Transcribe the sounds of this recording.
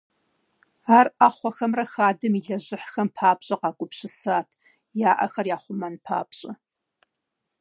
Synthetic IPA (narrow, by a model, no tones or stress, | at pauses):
aːraχʷɔxɐmrɐxaːdɨmiɮɐʑɪħxɐmpʰaːbɕʼɐqɑːɡʷʼʊpɕɪsaːtʰ | jaːʔɐ̰xɐrjaːχʷʊmɐnpʰa̰ːbɕʼɐ